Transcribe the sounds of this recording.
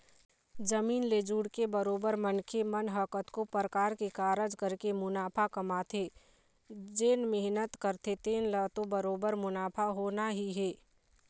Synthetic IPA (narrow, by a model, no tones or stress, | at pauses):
d͡ʒəmiːnleːd͡ʒuːɽkebəɾoːbəɾmənkʰemənɦəkət̪kopəɾəkaːɾkekaːɾəd͡ʒkəɾkemʊnaːpʰakɐmat̪ʰeː | d͡ʒeːnmɪɦnət̪kəɾt̪ʰet̪eːnlət̪obəɾoːbəɾmʊnaːpʰaɦoːnaɦiɦeː